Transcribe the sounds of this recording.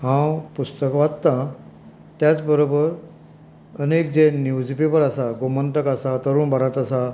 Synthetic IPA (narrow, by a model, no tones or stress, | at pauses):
ɦãpust̪əkʋad̪t̪ã | t̪jat͡sbəɾobəɾ | ənek̚d͡zenjuwd͡zipipəɾasaɡomənʈəkasat̪əɾuːnbəɾat̪asa